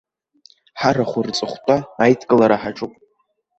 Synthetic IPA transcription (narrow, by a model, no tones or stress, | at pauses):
ħaraχʷʊrt͡sʼɨχʷtʰʼaːjtʰkʼɨlaɾaħaʈ͡ʂʼupʼ